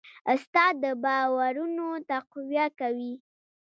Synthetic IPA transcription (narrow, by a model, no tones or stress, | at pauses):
st̪ɑd̪əbɑwaɾunot̪aqwjakawi